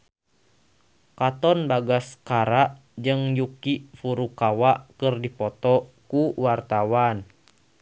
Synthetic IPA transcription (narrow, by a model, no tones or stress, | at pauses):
kat̪ɔnbaɡaskaɾaʔ | d͡ʒɨŋjukifuɾukawaʔkərdipɔt̪ɔkuwart̪awan